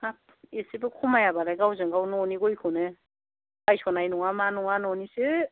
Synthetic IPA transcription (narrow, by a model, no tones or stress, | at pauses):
ap̚ | esibɯkʰumajabalajɡawzɯŋɡawnɔniɡojkʰɯne | bajsɔnajnuŋamanuŋanɔnisɯ